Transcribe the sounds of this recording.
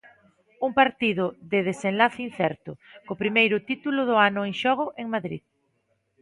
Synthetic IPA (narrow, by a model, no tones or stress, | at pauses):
uŋpaɾt̪iðʊðɪðesenlaθɪin̟θɛɾt̪ʊkopɾimejɾʊt̪it̪ulʊðʊanʊeŋʃɔɣ̞ʊʔeŋmaðɾḭð